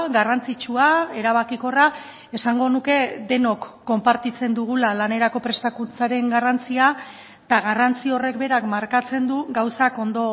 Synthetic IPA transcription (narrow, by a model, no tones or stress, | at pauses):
ɡarant͡sit͡ʃuae̞ɾaβakiko̞ra | e̞saŋɡo̞nuke̞d̪e̞no̞kːo̞mpaɾt̪it͡se̞nd̪uɣ̞ulalane̞ɾako̞pɾe̞st̪akunt͡saɾe̞ŋɡarant͡sia | t̪aɣarant͡sio̞re̞kbe̞ɾakmaɾkat͡se̞nd̪uɡawsako̞nd̪o̞